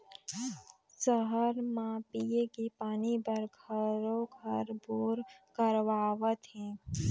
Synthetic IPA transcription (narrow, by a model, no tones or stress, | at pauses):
səɦəɾmãpijekipaːnibəɾɡʱəɾoɡʱəɾboːɾkəɾʋaːʋət̪ɦɛ̃ː